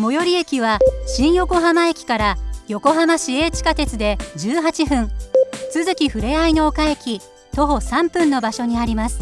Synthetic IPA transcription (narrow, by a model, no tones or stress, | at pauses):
mo̞jo̞ɾʲie̞kʲiβaɕĩɰ̃jo̞ko̞ɦamae̞kʲi̥kaɾajo̞ko̞ɦamaɕie̞ːt͡ɕi̥kat̪e̞t͡sɨd̪e̞d͡ʑɨːɦat͡ɕiɸɯ̟̃ɴt͡sɨzɨkʲiɸɯ̟ɾe̞aino̞ːkae̞kʲi | t̪o̞ɦo̞sãmpɯ̟̃nːo̞baɕo̞ɲ̟iaɾʲimasɨ̥